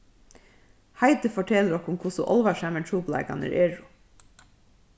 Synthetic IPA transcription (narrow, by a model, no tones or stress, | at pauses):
hɑɪd̪əfɔʈʰɛləɾɔkʊmkʰʊsʊʔɔlʋɑʃæməɳtʰuːplæ̰ɪɡɑ̰næ̰ɾʔeːɹʊ